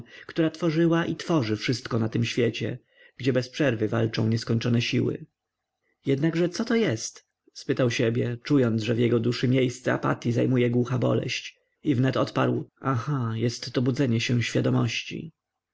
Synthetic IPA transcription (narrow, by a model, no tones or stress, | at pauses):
kt̪uɾat̪fɔʐɘwaʔit̪fɔʐɘfʂɘst̪kɔnat̪ɘmɕfʲjɛt͡ɕɛ̰ | ɡ̥d͡ʑɛbɛspʂɛɾvɘva̰lt͡ʂɔ̰̃w̃ɲɛskɔɲt͡ʂɔnɛɕiwɘ̰ | jɛd̪naɡʐɛt̪sɔt̪ɔjɛst̪ | spɘt̪awɕɛbʲjɛt͡ʂujɔnt̪ʐɛvjɛɡɔd̪uʂɘmʲjejst̪sɛa̰pa̰t̪ʲjizajmujɛɡwuxabɔ̰lɛ̰ɕt͡ɕ | ivnɛt̪ɔt̪pa̰ɾwaxajɛst̪ːɔbud̪zɛɲɛɕɛ̃ɕfʲjad̪ɔmɔɕt͡ɕḭ